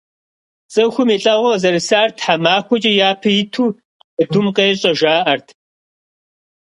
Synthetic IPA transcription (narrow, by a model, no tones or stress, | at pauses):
t͡sʼɨxʷʊmeɬʼɐʁʷɐzɐɾɨsaːrtʰħamaːxʷɔt͡ʃʼɐjaːpʰɐjɪtʰuː | ɨdʊmqeːɛɕʼɐʒaːʔɐrtʰ